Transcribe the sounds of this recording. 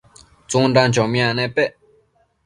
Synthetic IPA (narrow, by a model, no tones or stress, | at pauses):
t͡soŋɳɖ͡ʐaŋt͡ɕɔmjanɛpeʔ